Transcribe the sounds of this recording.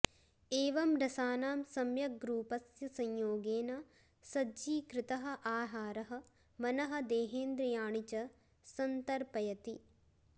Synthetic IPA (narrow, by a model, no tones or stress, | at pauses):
eːʋɐmɾɐsaːnaːmsɐmjɐɡɾuːpɐsjɐsɐɲjoːɡeːna | sɐd͡ʒiːkɾɪt̪ɐɦɐ̆ʔaːɦaːɾɐɦɐ̆ | mɐnɐɦɐ̆d̪eːɦeːnd̪ɾɐjaːɳit͡ʃɐ | sɐnt̪ɐɾpɐjɐt̪i